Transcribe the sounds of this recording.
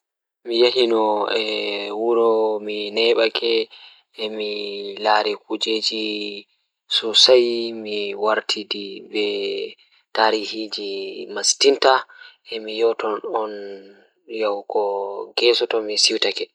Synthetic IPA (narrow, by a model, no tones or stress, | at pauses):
mijehinɔɛwuɾɔminɛɓakɛː | milaːɾɛkud͡ʒeːd͡ʒi | susajmiwaɾtʰidibɛ | taːɾihid͡ʒimastinta | ɛmijɔtɔnɔn | jawkɔɡɛsɔtɔmisiwtakɛ